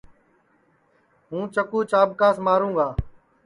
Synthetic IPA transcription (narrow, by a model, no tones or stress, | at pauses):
ɦũːt͡ʃəkuːt͡ʃaːbkaːsmaːɾũːɡaː